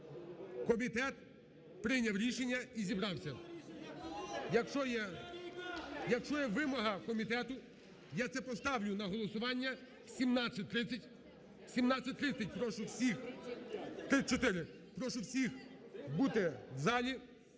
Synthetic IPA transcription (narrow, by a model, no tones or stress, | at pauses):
kɔmʲit̪ɛt̪̚ | pɾɪnʲɐwɾʲiʃenʲːɐizʲibɾɑwsʲɐ | jɐkʃt͡ʃɔjɛ | jɐkʃt͡ʃɔjɛʋɪmɔɦɐkɔmʲit̪ɛt̪ʊ | jat̪sɛpɔst̪ɑwlʲʊnɐɦɔlˠɔsʊʋɑnʲːɐ | wsʲimnɑt͡sʲːɐt̚ʲt̪ɾɪt͡sʲːɐtʲ | wsʲimnɑt͡sʲːɐt̚ʲt̪ɾɪt͡sʲːɐt̚ʲpɾɔʃʊwsʲix | t̪ɾɪt͡ʃɔt̪ɪɾɪ | pɾɔʃʊwsʲixbut̪ɪʋzɑlʲi